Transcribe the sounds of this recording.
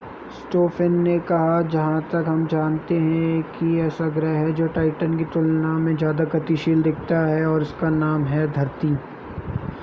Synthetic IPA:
sʈoːfʰɪnːekɐɦad͡ʒɐɦãt̪ɐkɦɐmd͡ʒaːnt̪eɦɛ̃kiɛːsaɡɾɛɦɛd͡ʒoːʈaːɪʈənkiʈ̪ʊlnamẽzjaːd̪akɐt̪iʃiːld̪ɪk̚ʰt̪aɦɛɔːɾɪskanaːmɦɛd̪ʱɐɾt̪iː

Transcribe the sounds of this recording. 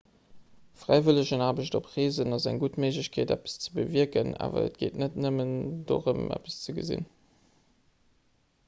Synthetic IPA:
fʁaɪvələʑənaːbəɕtopʁeːzənɑzæŋɡutmeɪʒləɕkʰeːdæpə̥st͡sə̥bəviəkəna̰ːvɐ̰ə̰t̚ɡ̥eːtnətnəmənd̥o̰ːʁəmæ̰pə̥st͡səɡəzḭn

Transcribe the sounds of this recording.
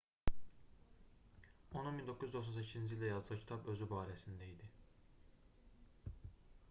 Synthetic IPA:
onunmind̪o̞kʰuzyzd̪o̞xsonsecʰizind͡ʒilʲd̪ɛjɑzd̪ɯcʰi̥t̪ʰɑpø̞zybaːɾɛsind̪æid̪ɪ

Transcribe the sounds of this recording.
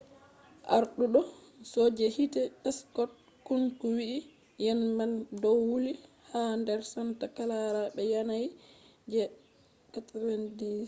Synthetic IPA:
ʔaɾɗuɗɔ | sɔd͡ʒɛhitɛʔɛskɔt̚ | kunkuwiʔi | jɛnmaldɔwwuli | handɛɾsantakalaɾaɓɛjanajd͡ʒɛ | katɾendi

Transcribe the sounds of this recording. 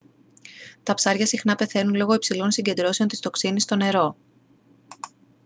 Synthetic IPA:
t̪ɐpsɐɾʝɐsixnɐpe̞θe̞nunlo̞ɣo̞ipsilo̞nsiɲɟe̞nd̪ɾo̞se̞nt̪ist̪o̞ksinist̪o̞ne̞ɾo̞

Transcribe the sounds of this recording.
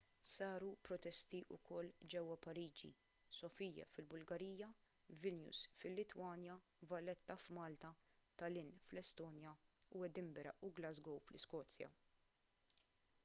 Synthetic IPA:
sɐːɾupɾɔt̪ɛst̪iʔʊ̰kʰɔlːd͡ʒɛwːɐpɐɾiːd͡ʒḭ | sɔfijːɐ̰fɪlbʊlɡɐɾiːjɐ | vɪlnjṵsfɪlːɪt̪wɐːnjɐ | vɐlɛt̪ːɐfmɐːlt̪ɐt̪ɐlɪnflɛst̪ɔːnjɐuɛd̪ɪmbɛɾɐ̰ʔʊɡlɐzɡɔwflɪskɔːt͡sːjɐ̰

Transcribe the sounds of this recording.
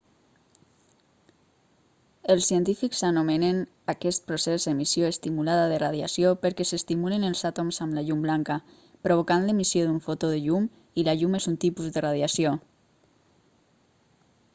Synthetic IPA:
elˠsːiənt̪ifiksanomenen | akɛst̪̚pɾosezðemisjoest̪imulaðaðeraðjasjopəɾkɛsest̪imulenelˠzat̪omzamlaʎumblaŋka | pɾoβ̞okanlemisjoðuɱfot̪oðeʎum | ilaʎumezunt̪ipuzðərað̞jasio

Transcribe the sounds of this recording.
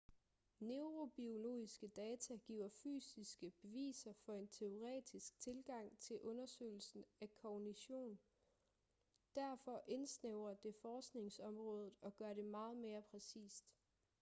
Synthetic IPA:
neʊʁo̝b̥io̝lo̝̰ːisɡ̥əd̥ɛːt͡sʰæɡ̥ḭːʊ̰ɐfy̰ːsisɡ̥əb̥e̝ʋḭːsɐfɒ̽e̝nt͡sʰe̝o̝ʁɛ̰ːd̥isɡ̥̚t͡sʰe̝lɡ̥ɑ̈ŋ̰t͡sʰe̝lʔɔ̽nɐsø̰ːɪl̩sn̩ækʰɒniɕo̝̰ːn | d̥æɐfɒ̽ʔe̝nsneʊ̰ɐd̥e̝fɒːsɡ̥ne̝ŋsɒ̽mʁɔ̽ːð̞ˠð̩ˠɒ̽ɡ̥ɶɐɾe̝mɑ̈ːð̞̩ˠme̝ːɐpʰʁɛsḭːsd̥

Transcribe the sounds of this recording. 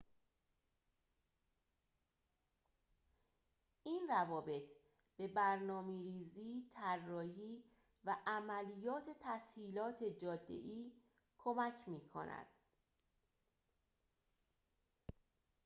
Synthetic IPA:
ʔiːnrævɒːbe̞t̪ʰ | b̥e̞bæɾnɒːmiɾiːziːt̪ʰærːɒːhiː | væʔæmælijɒːt̪ʰe̞t̪ʰæshiːlɒːt̪ʰe̞d͡ʒɒːd̪ːḛʔiː | kʰo̞mæcʰmiːkʰo̞̰næ̰d̪̥

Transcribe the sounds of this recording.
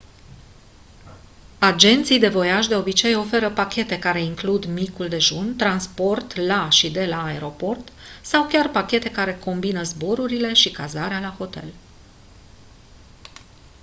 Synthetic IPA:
ad͡ʒe̞nt̪sijd̪e̞vo̞jaʃd̪e̞o̞bit͡ʃe̞jo̞fe̞ɾəpakʲe̞t̪e̞kaɾe̞iŋklud̪mikuld̪e̞ʒunt̪ɾanspo̞rt̪laʃid̪e̞laːeɾo̞po̞rt̪sawkʲarpakʲe̞t̪e̞kaɾe̞ko̞mbinəzbo̞ɾuɾile̞ʃikazaɾealaho̞t̪e̞̰l

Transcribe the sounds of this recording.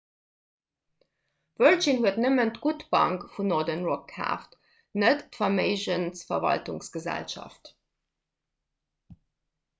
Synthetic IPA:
vœlt͡ʃinhuətnəməntɡ̥utb̥ɑ̰ŋkfunɔːdənʁɔk̚kʰa̰ːft | nətfɑmeɪʃənsfɐ̰vɑ̰ltuŋsɡ̥əzæ̰lʃɑ̰ft

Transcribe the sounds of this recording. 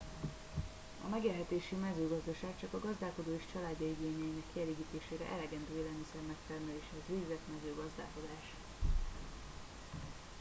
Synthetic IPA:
ɒ̰mɛɡeːlɦɛt̪eːʃimɛzøːɡɒzd̪ɒʃaːk̚t͡ʃɒkɒɡɒzd̪aːlko̞d̪oːeʃt͡ʃɒlaːdɟ̪ɒiɡeːniɛjinɛkːiɛleːɡiːt̪eːʃeːɾɛ̰ʔɛlɛɡɛnd̪øːeːlɛlmisɛrmɛk̚t̪ɛrmɛleːʃɛzveːɡzɛt̪mɛzøːɡɒzd̪a̰ːlko̞d̪aːʃ

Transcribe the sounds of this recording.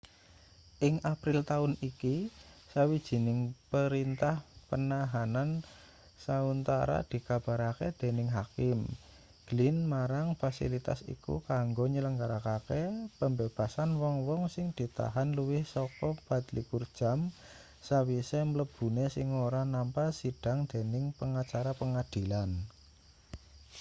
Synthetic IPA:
ʔɪŋʔapɾɪlt̪aʊnikisawid̥ʒ̥i̤nɪŋpəɾint̪ahpənaɦanan | saunt̪aɾa̰d̪̥i̤kab̥a̤ɾaked̪̥e̤nɪŋɦakɪm | ɡ̥lɪnmaɾaŋfasḭlit̪a̰sḭkṵkaŋɡoɲələŋɡaɾakakepəmbeb̥a̤sanwɔŋwɔŋsɪŋd̪̥i̤t̪a̰ɦanluwɪhsɔkɔb̥at̪likurd̥ʒ̥a̤m | sawisemələb̥ṳnesɪŋoɾanampasid̥a̤ŋd̪̥e̤nɪŋpəŋat͡ʃaɾapəŋad̪̥i̤lan

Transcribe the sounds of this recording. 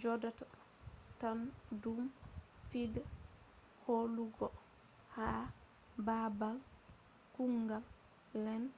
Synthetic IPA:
d͡ʒɔdata | tandum | fidɛ | holuɡɔ | ha | babal | kuŋɡalː | ɛn

